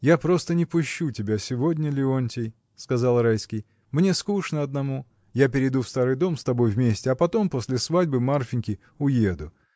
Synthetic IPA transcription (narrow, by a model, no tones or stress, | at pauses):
japɾo̞st̪ənʲɪpʊɕːutʲɪbʲasʲɪvo̞dʲnʲəlʲɪonʲtʲɪj | skɐzɑlˠɾajskʲɪj | mnʲe̞skuʂnəɐd̪nɐmu | japʲɪɾʲɪd̪ufst̪aɾɨjd̪o̞mst̪ɐbo̞jvmʲesʲtʲɪɐpɐt̪o̞mpo̞sʲlʲɪsvadʲbɨmarfʲɪnʲkʲɪ | ʊjed̪ʊ